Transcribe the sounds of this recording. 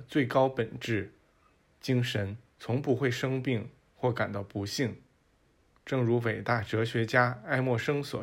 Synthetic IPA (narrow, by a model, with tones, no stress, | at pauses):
t͡swe˥˩ɪkɑ˥ʊpə˨˩nʈ͡ʂɻ̩˥˩ | t͡ɕi˥ŋʂə˧˥nt͡sʰʊ˧˥ŋpu˥˧xwe˥˩ɪʂɤ˥ŋpi˥˩˧ŋ | xwɔ˥˩ka˨˩nd̪ɑ˧˩pu˧˥ɕi˥˩ŋ | ʈ͡ʂɤ˥˩ŋɻu˧˥we˨˩ɪt̪a˥˩ʈ͡ʂɤ˧˥ɕɥɛ˧˥t͡ɕja˥a˥˧ɪmwɔ˥˩ʂɤ˥ŋswɔ̰˨˩˦